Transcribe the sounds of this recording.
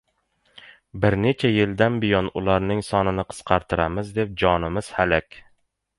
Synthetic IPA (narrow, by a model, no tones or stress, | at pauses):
bɪɾnet͡ʃʰæjɪld̪anbɪjɒnʊlˠɑɾnɪŋsɒnɪnɪqʰə̥sqʰɑɾt̪ʰɨɾamɪzd̪ep̚d͡ʒɒnɪmɪz̥hælækʲ